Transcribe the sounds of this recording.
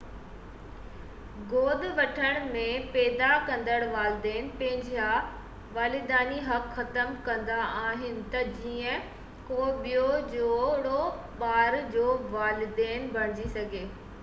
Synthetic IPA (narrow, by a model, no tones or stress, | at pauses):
ɡoːd̪ʋɐʈʰəɽ̃mẽpɛːd̪akɐ̃nd̪əɽ̃ʋaːlɪd̪eːnpɐ̃ɦɪ̃ɲd͡ʑija | ʋaːlɪd̪aːniɦɐkxɐt̪əmkɐ̃nd̪aʔaːɦɪnɪ̆t̪ɐd͡ʑiːə̃ | koːɓijod͡ʑoːɽo | ɓaːɾd͡ʑoːʋaːlɪd̪eːnbʱɐɽ̤ɪd͡ʑisɐɡʱeː